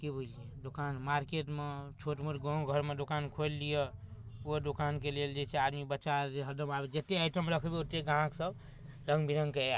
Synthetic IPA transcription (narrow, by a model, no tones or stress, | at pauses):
kibʱulijed̪okanmaɾkeʈmet͡ʃʰoʈmuʈɡɔ̃ɡʱəɾmed̪okankʰolːijeod̪okankeleld͡ʒet͡ʃʰead̪mibətːt͡ʃaɾd͡ʒeɦəɾd̪əmabed͡ʒet̪eajʈəmɾəkʰbeot̪eɡãksəb | ɾə̃ŋɡbʱiɾəŋɡke